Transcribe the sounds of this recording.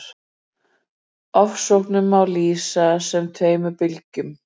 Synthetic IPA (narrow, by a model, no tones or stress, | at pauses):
ɔfsɔwhknʏmawliːsasɛmt̪ʰeːjmʏɾpɪlcʏm